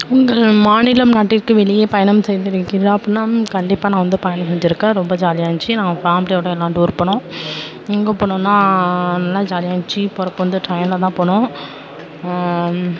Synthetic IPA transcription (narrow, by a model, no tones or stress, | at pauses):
ʊŋɡɐɭmaːnɪlɐmnaːʈːɪɾkːɯʋɛɭɪjeːpɐjɐɳɐmsɛjðɪɾɯkːɪɾɐpːɐnːaːkɐɳɖɪpːaːnãːʋɐnd̪ɯpɐjɐnɐsɛɲd͡ʒɪɾɯkːãːɾɔmbɐd͡ʒaːlɪjaːŋt͡ʃːinãːŋɡɐfaːmɪlɪjoːɽɐɛlːãːnɖɯʊɾpːɐɳʊ̃ | ɪŋɡɐpoːɳʊ̃nːaːnɐlːaːd͡ʒaːlɪjaːŋt͡ʃːipɔɾɐpːʋɐnd̪ɯʈɾɐjnlɐt̪ãːpoːɳʊ̃